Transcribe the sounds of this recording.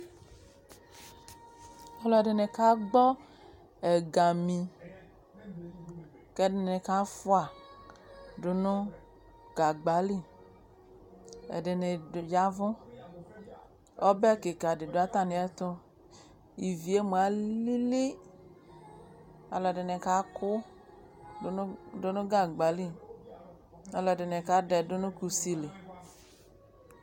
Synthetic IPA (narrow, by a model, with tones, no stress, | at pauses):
a˨˦lɔ˨ɖe˨ne˨ka˦ɡ͡bɔ˦ | e˨ɡa˨mĩ˨ | ke˦de˨ne˨ka˦fo˦a˨ | ɖo˨nõ˦ | ɡa˨ɡ͡ba˨˦li˦ | ḛ˨ɖe˨ne˨ja˦vɔ̃˦ | ɔ˦bɛ˦ke˨ka˨ɖɪ˨do˨˦a˦t̪a˦˨nĩ˨˦ɛ˦t̪ʊ˦ | i˨vi˨e˦mu˨a˨li˦li˦ | a˨lɔ˨de˨nɛ˨ka˦kʊ˦˨˦ | dʊ˨nʊ̃˦ɡa˦˨ɡ͡ba˨˦li˦ | a˨lɔ˨de˨nẽ˨ka˨˦ɖɛ˨dʊ˦nʊ̃˦ku˨si˦le˨